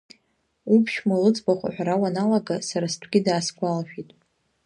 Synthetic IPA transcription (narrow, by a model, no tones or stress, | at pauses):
upʰʃmalɨt͡sʼbaχʷa̰ħʷᶣaɾawanalaɡasaɾastʷʰɡʲɪdaːsɡʷʼalaʃᶣitʼ